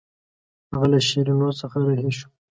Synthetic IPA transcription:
haɣalaʃiɾunosəxaɾahiʃo̥

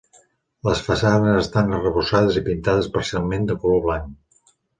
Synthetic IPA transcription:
ləsfəsanəzəst̪anərəβusað̞əzipint̪aðəspəɾsialˠmend̪əkuloβlaŋ

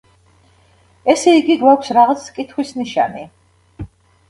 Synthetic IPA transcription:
ɛsɛiɡiɡwakʷʰsɾaʁat̪sʰkʼit̪ʰχwisniʃa̰ni

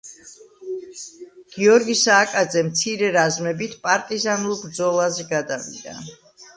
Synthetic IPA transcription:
ɡ̥iɔɾɡisaːkʼad̪zɛmt̪sʰiɾɛɾazmɛbit̪ʰpʼaɾt̪ʼizanulˠbɾd̪zɔlˠazɛɡad̪avḭd̪a̰

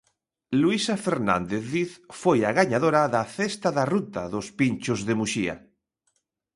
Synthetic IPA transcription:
luisafeɾnã̰nd̪eθðiθfojaɣaɲað̞oɾaðaθest̪aðarut̪aðospinʲt͡ʃozðemuʃia̰

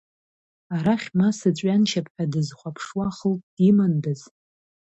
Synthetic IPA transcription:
aɾaχʲmasɨt͡ɕʷʼɥanʃʰapʰħʷᶣadɨzχʷapʰʂwaχəltʼd̥imandɨz

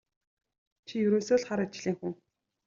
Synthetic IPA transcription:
t͡ɕʰijɵɾoːsoːɮχaɾat͡ɕɮiːŋxuŋ

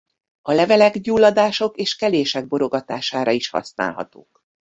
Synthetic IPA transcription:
ɒlɛvɛlɛɡɟuːlːɒd̪aːʃo̞keːʃkɛleːʃɛɡ̚bo̞ɾo̞ɡɒt̪aːʃaːɾɒiʃhɒ̰sna̰ːlɦɒ̰t̪o̰ːk

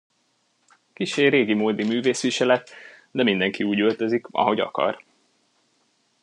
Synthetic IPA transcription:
kiʃeːreːɡimoːd̪imyːveːsʋiʃɛlɛt̪d̪ɛmind̪ɛŋkiuːɟølt̪ø̞zikɒ̰ɦo̞ɟɒ̰kɒ̰r

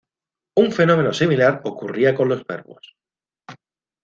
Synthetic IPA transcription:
uɱfe̞no̞me̞no̞similaɾokuriako̞nlo̞sβe̞̰ɾβo̰s

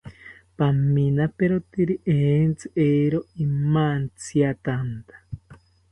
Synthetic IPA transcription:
paminapeɾot̪iɾiʔent͡sɨʔeɾoimant͡sʰiat̪ant̪ḁ

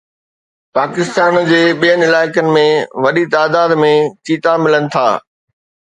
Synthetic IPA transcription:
paːkɪst̪aːnd͡ʑeːɓijənɪlaːɪkənɪ̆mẽʋɐɗit̪aːd̪aːd̪mẽt͡ɕʰiːt̪amɪlənɪ̆t̪ʰa̰ː

